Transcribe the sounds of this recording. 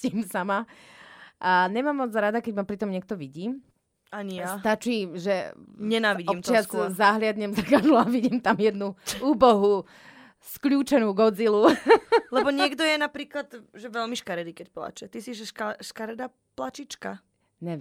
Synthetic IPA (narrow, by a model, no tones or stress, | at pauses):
imsama | aɲɛmaːmːɔd͡zɾad̪akɛɟmapɾit̪ɔmɲɪɛk̚t̪ɔʋiɟiːm | aɲijast̪at͡ʃiːʒɛɲɛnaːʋiɟɔiːmt̪ɪaskuzaɦlɪad̪ɲɛmzaɡad̪luaʋiɟiːmt̪amjɛd̪nuuːbɔɦu | skʎuːt͡ʃɛnuːɡɔd͡zilulɛbɔɲɪɛɡd̪ɔjɛnapɾiːklad̪ʒɛʋɛlmiʃkaɾɛd̪ikɛc̚pla̰t͡ʃɛt̪isiʒɛʃʃkaɾɛd̪a | plat͡ʃit͡ʃka | ɲɛ